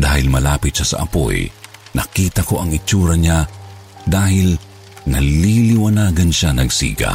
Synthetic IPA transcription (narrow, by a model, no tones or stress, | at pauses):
d̪aːhɪlmɐlaːpɪt̪̚ʃasɐ̰ʔɐ̰po̰jnɐ̰kiːt̪ɐko̞ʔɐŋɪt͡ʃuːɾɐɲa | d̪aːhɪl | nɐlilɪwanaːɡɐnʃanɐɡsḭːɡɐ̰